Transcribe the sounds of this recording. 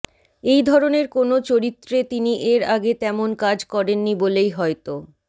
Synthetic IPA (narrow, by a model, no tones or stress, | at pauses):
ejd̪ʱɔɾoneɾkonot͡ɕoɾit̪ːɾet̪iniʔeɾaɡet̪ɛmonkad͡ʑkɔɾenːibolejɦɔet̪o